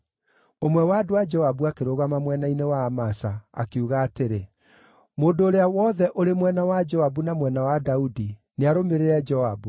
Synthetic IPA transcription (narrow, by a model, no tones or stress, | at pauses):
omwɛwadoad͡ʒɔabuakeɾoɣamamwɛnainewaːmasaa̰keuɣaːteɾe | moːndoːɾeawɔðɛʔoɾemwɛnawad͡ʒɔabunamwɛnawadaudineaɾomeɾeɾɛd͡ʒɔabu